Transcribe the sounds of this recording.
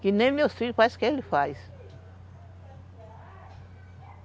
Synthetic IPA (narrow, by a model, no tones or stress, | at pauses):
kɪnẽj̃mewsfiʎʊfajskɪelɪfajs